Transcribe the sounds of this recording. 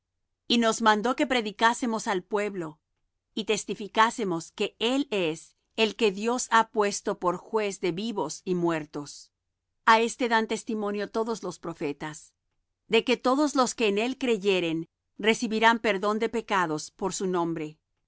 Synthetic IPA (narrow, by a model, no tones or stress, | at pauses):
ino̞zmãnd̪o̞ke̞pɾeðikasemosalpwe̞βlo̞ | it̪e̞st̪ifikase̞mo̞ske̞ele̞s | elke̞ðjo̞sapwe̞st̪o̞po̞ɾxwe̞zðe̞βiβo̞simwe̞ɾt̪o̞s | ae̞st̪e̞ðant̪e̞st̪imo̞njot̪o̞ðo̞zlo̞spɾo̞fe̞t̪as | ðe̞ke̞t̪o̞ðo̞zlo̞skeːne̞lkɾe̞ʝe̞ɾen | re̞siβiɾampe̞ɾðo̞nd̪e̞pekaðospo̞ɾsunõ̞mbɾe̞